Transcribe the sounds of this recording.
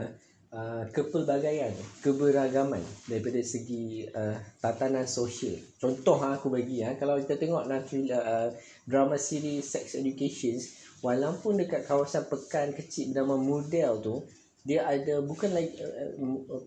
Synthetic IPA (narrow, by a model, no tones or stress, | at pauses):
əkəpəlbaɡajankəbəɾaɡamã̰ndaɾipadaisəɡiət̪at̪anãnsoʃəlt͡ʃɔnt̪ɔɦaːkubaɡiakalawkit̪at̪əŋɔʔnãt̪iə | dɾamãsiɾisɛk̚sɛd͡ʒukeʃɔns | walawpundəkat̪̚kawasanpəkankət͡ʃit̪̚namamodɛlt̪u | diaʔadabukanlaik̚